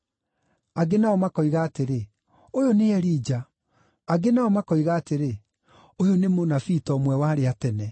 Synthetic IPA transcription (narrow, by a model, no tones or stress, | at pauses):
aɡenaɔmakɔɣaːteɾe | ojoneɛɾiːd͡ʒa | aɡenaɔmakɔiɣaːteɾe | ojonemonafitɔmwɛwaːɾeatɛnɛ